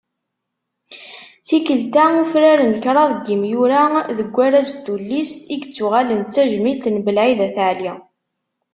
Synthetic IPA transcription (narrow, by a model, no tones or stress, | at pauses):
θikəlt̪aufɾaɾənkɾˤɑðˤəɡːimjuɾaðəɡʷːæɾæzd̪̥ulːisiɡt͡sːuʁælənt͡sːæʒmilt̪nbəlʕiðæθəʕli